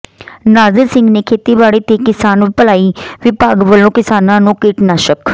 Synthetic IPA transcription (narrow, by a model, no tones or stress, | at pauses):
nad͡zəlsĩŋɡnekʰet̪ibaɽit̪ekisanpəlaiːʋipaɡʋəlõkisananukiʈnaɕək